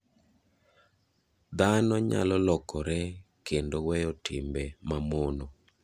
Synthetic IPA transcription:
d̪anɔɲa̰lɔlɔkɔɾɛ | kʰendowɛjɔtʰimbɛmamono

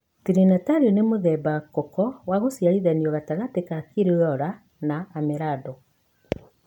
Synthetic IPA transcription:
tiɾinataɾonemoðɛbakɔkɔwaɣosjaɾiðaniɔɣataɣatekakiɾeojɔɾa | naːmɛɾadɔ

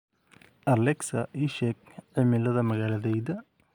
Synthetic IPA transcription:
ʔɐlɛksɐʔiːʃɛːɡ̚ʕɪmɪlɐðɐmɐɣaːlɐðɛjðɐ

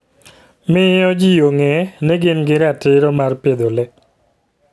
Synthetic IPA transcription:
mɪɔd͡ʒijoŋɛneɡɪnɡɪɾatɪɾɔmarped̪olɛ

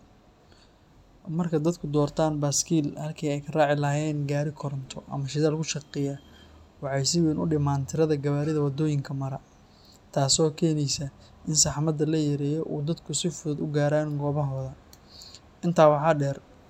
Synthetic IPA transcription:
mɐrkʰɐd̪ɐd̪kʰʊd̪ɔːrt̪ʰaːnbaːskʰiːlhɐlkʰɛːɛjkʰɐraːʕɪlɐːjɛːnɡaːɾɪkʰɔɾɔnt̪ʰɔʔɐ̰mɐʃɪðaːlkʰʊʃɐqɛja | wɑħɑjsɪwɛnʔʊɖɪmaːnt̪ʰɪɾɐðɐɡɐβaːɾɪðɐwɐd̪ɔːjɪŋkʰɐmɐɾɐ | t̪ʰaːsɔːkʰɛːnɛjsɐ | ɪnsɑħmɐd̪ɐlɐjɐɾɛːjɔʔuːd̪ɐd̪kʰʊsɪfʊðɐd̪ʊɡaːɾaːnɡɔːβɐɦɔːðɐ | ʔɪnt̪ʰaːwɑħɑːɖɛːr

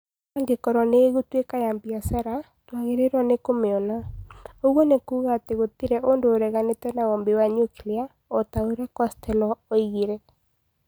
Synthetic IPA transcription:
aŋɡekɔɾɔneːɣutwekajambiasaɾa | twaɣeɾeɾwɔnekomeɔnaoɣwɔnekuːɣaːteɣotiɾɛʔondoːɾɛɣanetɛnaɣɔmbewaɲukilia | otaoɾɛkɔstʰɛlɔoiɣeɾɛ

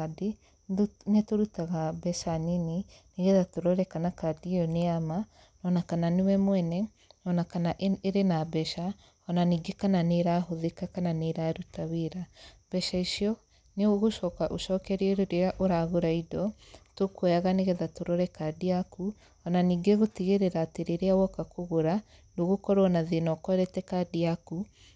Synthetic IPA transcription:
ade | netoɾutaɣabɛʃaninineɣɛðatoɾɔɾɛkanakadiɔneama | nɔnakananewɛmwɛnɛ | nɔnakanaʔeɾenabɛʃa | ɔnaniɡekananeɾaɦoðekakananeɾaɾutaweɾab̥ɛʃaiʃiɔ | neoɣoʃɔkaʔoʃɔkɛɾieɾeɾeaʔoɾaɣoɾaidɔtokwojaɣaneɣɛðatoɾɔɾɛkadiaku | ɔnaniːɡeɣotiɣeɾeɾaːteɾeɾeawɔkakʰoɣoɾa | noɣokɔɾɔnaðenɔkɔɾɛtɛkadiaku

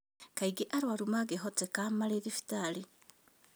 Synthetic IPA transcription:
kaiɡeʔaɾwaɾumaɡeɦɔtɛkamaɾeðefi̥taɾi

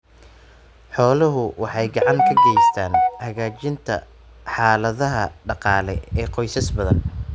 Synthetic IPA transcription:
ħɔːlɐɦʊwɑħɑjɡɑʕɑŋkʰɐɡɛjst̪ʰaːnhɐɣaːt͡ʃɪnt̪ʰɐ̰ | ħɑːlɐðɐɦɐɖɑqɑːlɛ̰ɛːqɔjsɐsbɐðɐ̰n

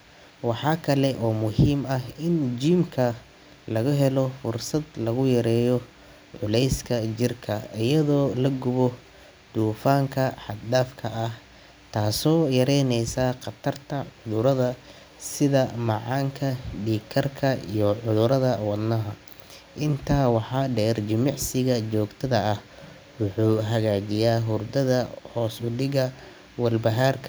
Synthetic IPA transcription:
wɑħɑːkʰɐlɛʔɔːmʊhiːmɐɦɪnd͡ʒiːmkʰɐ | lɐɣʊɦɛlɔfʊrsɐd̪lɐɣʊjɐɾɛːjɔ | ʕʊlɛjskʰɐt͡ʃɪrkʰɐɪjɐðɔːlɐɡʊβɔ | d̪̥uːfaːŋkʰɐħɑd̪ɖaːfkʰɐɐh | t̪ʰaːsɔːjɐɾɛjnɛjsaːqɑt̪ʰɐrt̪ʰɐʕʊðʊɾɐðɐ | sɪðɐmɑʕɑːŋkʰɐɖiːkʰɐrkʰɐijɔʕʊðʊɾɐðɐwɑd̪nɐɦɐ | ʔɪnt̪ʰaːwɑħɑːɖɛːrd͡ʒɪmɪʕsɪɣɐt͡ʃɔːɡt̪ʰɐðɐɐh | wʊħuːɦɐɣaːt͡ʃɪjaːɦʊrd̪ɐðɐhɔːsʊɖɪɣɐ | wɑlbɐɦaːrkʰ

